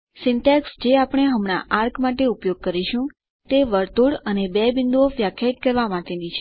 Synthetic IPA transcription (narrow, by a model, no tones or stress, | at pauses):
sɪɳʈaksd͡ʒeapəɳ̃eɦəmɽ̃a̰ʔaɾkʰmaʈeupjoɡ̚kəɾiʃũ | t̪eʋəɾt̪uɽənebɛbɪnd̪uoʋjakʰjat̪̚kəɾʋamaʈenit͡ʃʰ